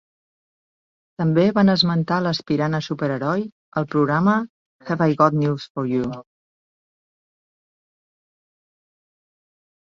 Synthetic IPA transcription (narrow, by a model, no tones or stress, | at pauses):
t̪əmbeβanəzmənt̪aləspiɾanəsupəɾəɾɔj | əlˠpɾuɣɾamə | xɛvajɣɔt̪nusfɔɾju